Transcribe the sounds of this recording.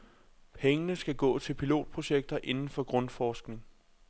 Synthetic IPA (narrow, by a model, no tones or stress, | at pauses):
pʰeŋənəsɡ̥æɡ̥ɔ̰̽ːt͡sʰe̝lpʰilo̝̰ːd̥̚pʰʁo̝ɕeɡ̥̚d̥ɐʔe̝nn̩fɒ̽ɡ̥ʁɔ̽nfɒːsɡ̥ne̝ŋ